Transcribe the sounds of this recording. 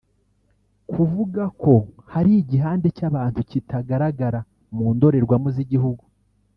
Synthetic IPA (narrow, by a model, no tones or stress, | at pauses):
kʰuvuɡako̞haɾiɟiɦaːnde̞caβaːntucitʰaɡaɾaɡaɾa | muːndo̞ɾe̞ɾɡwamuziɟiɦuɡu